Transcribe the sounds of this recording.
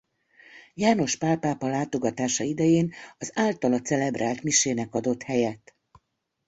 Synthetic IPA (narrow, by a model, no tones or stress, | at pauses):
jaːno̞ʃpaːpaːpɒlaːt̪o̞ɡɒt̪aːʃɒid̪ɛjeːnɒzaːlt̪ɒlɒt̪sɛlɛbrʔaːlt̪miʃeːnɛkɒd̪o̞t̪hɛjɛt̪